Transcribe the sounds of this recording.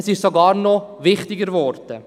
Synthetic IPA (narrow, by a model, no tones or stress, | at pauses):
sɪʃsoɡɑːɾnovɪχtɪɡəɾvɔrtə